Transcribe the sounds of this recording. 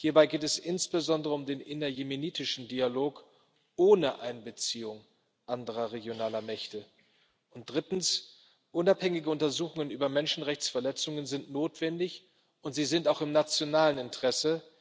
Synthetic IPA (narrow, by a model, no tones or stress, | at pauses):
hiːɐbaɪɡeːtɛsʔɪnsb̥əzɔndəʁəʊmdeːnʔɪnɐjemeniːtɪʃn̩dialoːk | ʔoːnəʔaɪnbət͡siːʊŋ | ʔandəʁɐʁeɡjonaːlɐmɛçtə | ʊnt̚d̥ʁɪtn̩s | ʔʊnaphɛŋɪɡəʊntɐzuːxʊŋənʔyːbɐmɛnʃn̩ʁɛçt͡sfɛɐlɛt͡sʊŋənzɪntnoːtv̥ɛndɪç | ʔʊntz̥iːzɪntaʊxɪmnat͡sjonaːlənɪntəʁ̥ɛsə